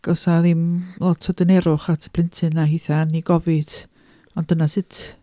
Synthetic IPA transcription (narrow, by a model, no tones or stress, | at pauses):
ɡ̥ɔsaðimlˠɔtʰɔdənɛɾʊχatʰə̥pʰl̥ˠɪntʰɨnːaɦiːθaniɡɔvɪd̥ | ɔnd̥ənasɪtʰ